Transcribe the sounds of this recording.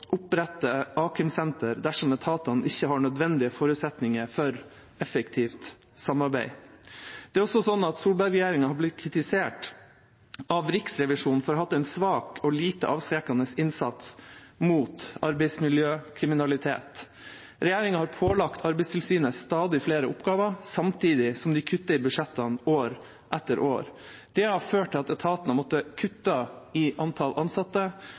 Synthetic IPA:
ʔʊpɾɛt̪ːəʔɑːkʰəmsɛnt̪əɾd̪æʂɔmɛt̪ʰɑːt̪ɑn̩ɪçːəhɑɳœd̪ʋɛnd̪ɪəfɔːɾʉːt̪sɛt̪nɪŋəɾfɔɾ | ɛfəkt̪ʰiːft̪ | sɑmɑɾbæɪ | d̪̥ɛæɾɔsɔsɔnːɑt̪suːlbɑɾɾɛjeːɾɪŋɑhɑɾblɪt̪kʰɾɪt̪ɪseːʈ | ʔɑʋɾɪksɾɛʋɪʂuːnfɔɾɔhɑt̪ːɛɪnsʋɑːkɔliːt̪əʔɑːʋskɾɛkɑnəsɪnsɑt̪smuːt̪ɑɾbɛɪsmɪljøːkʰɾɪmɪnɑlɪt̪ʰḛːt̪ | ɾɛjeːɾɪŋɑhɑɾpʰoːlɑkt̪ʰɑɾbɛɪst̪ʰɪlsyːnəst̪ɑːd̪ɪfleːɾəʊpɡɑːʋɑsɑmt̪ʰiːd̪ɪsɔmd̪ɪkʰʉt̪ːəɪbʉʂɛt̪ːɑnoːɾ | ʔɛt̪ːəɾʔo̰ːɾ | d̪̥ɛhɑɾføːʈʰːɪlɑt̪ɛt̪ʰɑːt̪ɑnəmɔt̪ːəkʰʉt̪ːɑɪʔɑnt̪ʰɑlʔɑnsɑt̪ːə

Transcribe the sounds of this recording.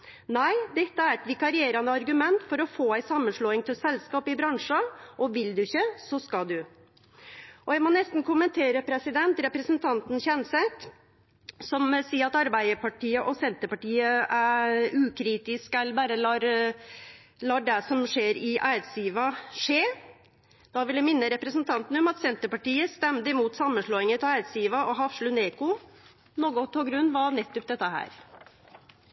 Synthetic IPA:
næɪd̪ɛt̪ːəæɾɛt̪ʋɪkɑɾɪeːɾɑnəɑɾɡʉmɛnt̪fɔɾɔfoːæɪsɑmːənʂɭoːɪŋt̪ʰɪlsɛlskɑːpɪbɾɑŋʂɑʔɔʋɪld̪ʉɪçːəsɔskɑld̪ʉ | ʔɔjæɪmɔnɛst̪n̩kʰʊmənt̪ʰeːɾəpʰɾɛsɪd̪ɛnt̪ɾɛpɾəsənt̪ʰɑnt̪n̩çɛnsɛt̪ | sɔmsiːəɾɑt̪ɑɾbæɪəpʰɑʈʰiːəʔɔsɛnt̪əpɑʈiːəʔæɾʉːkʰɾiːt̪ɪskælbæːɾəlɑːɾ | lɑːɖɛsɔmʂeːɾɪʔæːt̪siːʋɑʂeː | d̪̥ɑʋɪljæmɪnːəɾɛpɾəsnt̪ʰɑnt̪n̩ɔmɑt̪sɛnt̪əpɑʈiːəst̪ɛmd̪əɪmuːt̪sɑmːənʂɭoːɪŋət̪ʰɔæːd̪siːʋɑʔɔɦɑfʂlʉneːkʊ | noːɡʊt̪ʰɔlɡɾʉnːʋɑnɛt̪ːʊp̚d̪ɛt̪ːəhæ̰ːɾ

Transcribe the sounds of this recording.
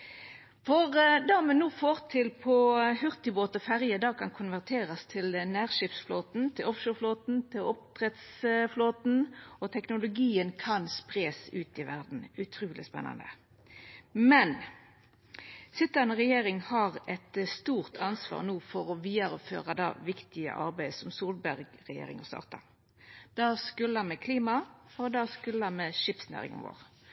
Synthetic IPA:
fɔʁd̪ɑmɛnːuːfoːʁt̪ʰɪlpʰɔhʉʁt̪ɪboːt̪ɔfæʁjəd̪ɑːkʰɑnkʰʊnʋæʁt̪ʰeːʁɑst̪ʰɪlnæːʁʃɪpsfloːt̪n̩t̪ʰɪlɔfʃoːfloːt̪n̩t̪ʰɪlɔpt̪ʰʁɛt̪sfloːt̪n̩ɔt̪ʰɛknʊlʊɡiːənkʰɑnspʁeːsʉːt̪ɪʋæʁd̪n̩ʉt̪ʰʁʉːlɪ̰spɛ̰nːɑ̰nd̪ə̰ | mɛn | sʏt̪ːənəʁɛjeːɾɪŋhɑʁɛt̪st̪uːʁt̪ʰɑnsʋɑ̰ːʁnuːfɔɾɔʋiːəɾəfø̰ːʁɑd̪ɑ̰ːʋɪkt̪ɪə̰ʔɑ̰ʁbæɪsɔmsuːlbæʁɡʁɛjḛːɾɪ̰ŋɔst̪ɑ̰ːʁt̪ɑ̰ | d̪̥ɑːskʉləɑnmɛkʰliːmɑɔd̪ɑːskʉləɑmeʃɪpsnæ̰ːʁɪ̰ŋə̰nʋo̰ːʁ

